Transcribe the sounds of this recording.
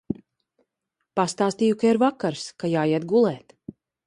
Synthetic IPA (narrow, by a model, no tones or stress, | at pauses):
past̪aːst̪iːjukaiɾvakaɾskajaːjɛt̪̚ɡulˠɛːt̪